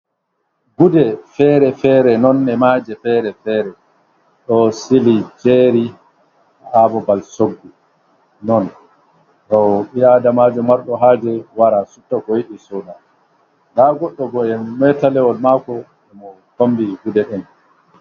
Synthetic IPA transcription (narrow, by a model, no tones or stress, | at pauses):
ɡudɛfɛɾɛfɛːɾɛnɔnːɛmaːd͡ʒɛfɛɾɛfɛɾɛ | ɗɔsilid͡ʒeɾi | aʔabɔbalsoɡːu | nɔn | ɗɔwɓiadamad͡ʒɔmaɾɗɔɦaːd͡ʒɛwaɾasutːakɔjiɗisɔda | naɡɔɗːɔbɔɛmmɛtalɛwɔlmakɔ | ɛmɔ | kombiɡudɛɗɛn